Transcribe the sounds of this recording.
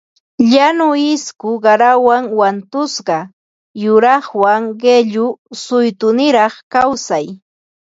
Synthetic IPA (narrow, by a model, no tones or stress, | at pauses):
ʎanʊɪskʊɢɑɾawaŋwant̪ʊsɢɑ | jʊɾɑχwaŋɢeʎʊsʊjt̪ʊnɪɾɑχkawsaj